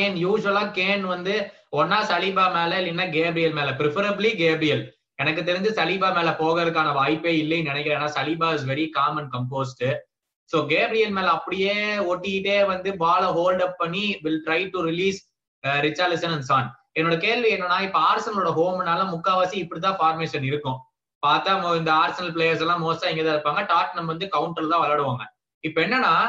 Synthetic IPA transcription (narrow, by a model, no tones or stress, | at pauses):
njuːʒʊɐlaːkeːnʋɐnd̪ɯ | ɔnːaːsɐlɪbaːmeːlɐɪlːɪnːaɡeːbɾɪjɐlmeːlɐpɾɪfɐɾɐbliɡeːbɾɪjɐl | ɛnɐkːɯt̪ːɛɾɪnd̪ɯsɐlɪbaːmeːlɐpoːɣɐɪɾɯk̬ːaːnɐʋaːjpːeːɪlːɐnɪnɛkːɪɾẽːnːaːsɐlɪbaːɪs̬ʋɛɾikaːmɐnkɐmp̬oːsʈɯ | soːɡeːbɾɪjɐlmeːlɐɐpːɐɽɪjeːoʈːɪjɪʈːeːʋɐnd̪ɯbaːlɐɦoːlɖɐpːɐɳːiʋɪlʈɾɐɪʈuɾɪliːs | ɾɪt͡ʃːaːɾlɪsɐnɐnsaːn | ɛnːoːɽɐkeːlʋiɛnːɐ̃nːaːɪpːɐaːɾsɐnɐlʊɽɐɦoːmɪnːaːlɐ̃mʊkːaːʋaːsiɪpːɐɽit̪̬ãːfaːɾmeːʃɐnɪɾɯkːʊ̃ | paːɾt̪aːmoɪnd̪ɐaːɾsɐnɐlpɭeːjɐɾs̬ɛlːãːmoːsãːɛŋɡɐðãːɪɾɯpːaːŋɡɐʈaːɾʈnɐmɐʋɐnd̪ɯkɐʊɳʈɐlt̪ãːʋɐlɐɽɯʋaːŋɡɐ | ɪpːɐɛnːɐnːaː